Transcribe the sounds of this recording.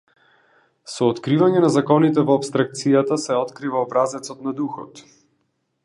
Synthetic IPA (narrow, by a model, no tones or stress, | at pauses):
sɔːt̪kɾivaɲɛnazakɔnit̪ɛvɔapst̪ɾak̚t̪sijat̪asɛɔt̪kɾivaɔbɾazɛt̪sɔt̪̚nad̪uxɔ̰t̪